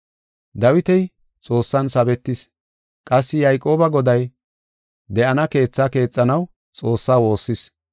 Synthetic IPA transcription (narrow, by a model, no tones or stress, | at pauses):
d̪ɐwɪt̪ɛj | t͡sʼo̞ːsːɐnsɐbɛt̪ːɪs | kʼɐsːɪjɐjkʼo̞ːbɐɡɔd̪ɐj | d̪ɛʔɐnɐke̞ːt͡sːake̞ːt͡sʼːɐnɐw | t͡sʼo̞ːsːaːwo̞ːsːɪs